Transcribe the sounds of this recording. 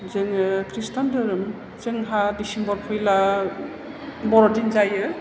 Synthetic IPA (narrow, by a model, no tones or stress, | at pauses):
zɯŋɯkʰɾistandɯɾɯm | t͡ʃɯŋɦadisimbɔɾpʰɯjla | bɔɾɔdinzajɯ